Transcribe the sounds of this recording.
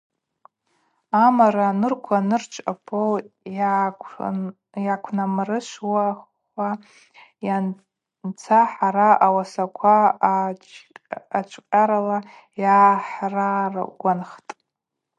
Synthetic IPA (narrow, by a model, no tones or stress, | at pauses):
amaɾanɨrkʷʰanɨrt͡ʃʷʰʼapʰow | jakʷʰnamrɨʃʷwa | a | ja | nt͡sʰaħaɾaawasakʷʰa | at͡ʃʷʰʼqʲʼaɾala | jaːħrar̰ɡʷanχtʼ